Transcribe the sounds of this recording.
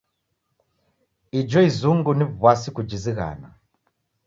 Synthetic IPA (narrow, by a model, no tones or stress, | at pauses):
id͡ʒɔizuŋɡunivwasikud͡ʒiziɣa̰na̰